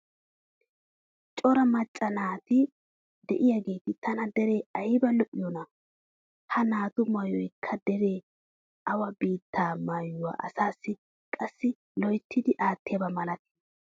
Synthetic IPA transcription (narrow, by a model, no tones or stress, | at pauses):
t͡ʃʼɔɾɐmɐt͡ʃʼːɐnaːt̪ɪ | d̪ɛʔɪjaɡe̞ːt̪ɪt̪ʰɐnɐd̪ɛɾe̞ːɐjbɐlɔʔɪjɔnɐ | hɐnaːt̪ʊmɐjɔjkʰːɐd̪ɛɾe̞ː | ɐwɐbiːt̪ːaːmaːjʊwa̰ːʔɐ̰saːsːɪ | kʼɐsːɪ | lɔjt̪ʰːɪd̪ɪʔaːt̪ːɪjɐbɐmɐlɐt̪ɪ̥